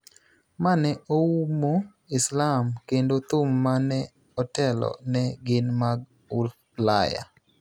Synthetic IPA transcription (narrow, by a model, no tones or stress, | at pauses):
manɛʔoumo | ɪslamkendot̪ʊmːanɛ | ɔtɛlɔ̰nɛɡɪnmaɡ | ʊl | laja̰